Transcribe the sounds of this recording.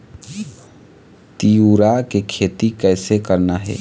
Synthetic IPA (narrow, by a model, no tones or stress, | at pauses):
t̪iuɾakekʰeːt̪ikɛːsekəɾnaɦɛ̰ː